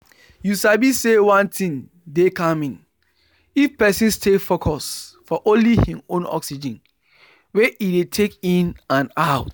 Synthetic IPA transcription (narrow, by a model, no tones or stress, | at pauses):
jusabisewãntʰĩŋ | dekãmĩn | ifpɛsĩnstʰefokʰɔsfɔʔõnlihĩõ̰nɔ̰ksid͡ʒĩn | wɛʔidetʰekĩnãnaʊt